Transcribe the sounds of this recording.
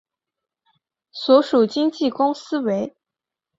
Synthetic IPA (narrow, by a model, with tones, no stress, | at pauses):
swɔ˧˥ʂu˨˩t͡ɕi˥ŋt͡ɕi˥˩kʊ˥ŋsɹ̩˥we˧˥ɪ